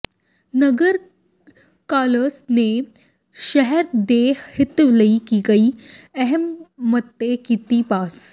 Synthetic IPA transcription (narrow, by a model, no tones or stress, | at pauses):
nəɡəɾ | kaləsne | ʃəɦɛɾd̪ehhit̪ʋləikikaiːəɦɛmːət̪ːekit̪iːpas